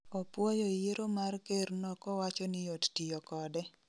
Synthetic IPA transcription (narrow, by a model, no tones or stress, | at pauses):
ɔpwɔjɔijeɾomarkernɔkɔwat͡ʃɔnɪjottijɔkɔdɛ